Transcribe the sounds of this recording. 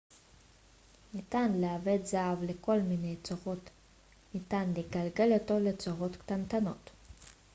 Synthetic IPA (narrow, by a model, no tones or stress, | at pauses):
nit̪anleavetzaavleko̞lminejt͡soʁo̞t̪ | nit̪anleɡalɡe̞loto̞le̞t͡soʁo̞t̪kt̪ant̪ano̞t